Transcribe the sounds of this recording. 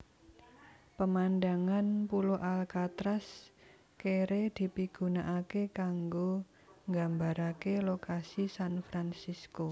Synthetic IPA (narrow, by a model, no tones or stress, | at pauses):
pəmand̪aŋanpuloʔalkat̪ɾas | keɾed̪̥i̤piɡ̥ṳnaʔakekaŋɡo | ŋɡa̤mbaɾakelokasisanfɾansisko